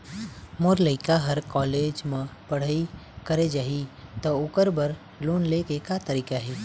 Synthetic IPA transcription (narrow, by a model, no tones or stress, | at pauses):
moːɾləɪkaɦɐɾkɔːleːd͡ʒmẽpɐɽ̤aikəɾed͡ʒaːɦit̪ɔʊkəɾbəɾ | loːnlekekat̪əɾiːkaɦɛː